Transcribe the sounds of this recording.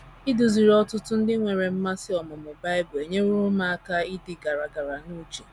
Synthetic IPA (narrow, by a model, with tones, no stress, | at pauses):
i˦du˨zi˨ɾɔ˦tʊ˦tʊ˦n̩˦dɪ˦ŋʷe˨ɾe˨m̩˦ma˦sɪ˦ɔ˨mʊ˨mʊ˨ba˦ɪ˦bʊ˨e˨ɲe˦u˦ɾʊ˦ma˦a˦ka˦i˦dɪ˨ɡa˨ɾa˨ɡa˨ɾa˨nu˦t͡ʃe˨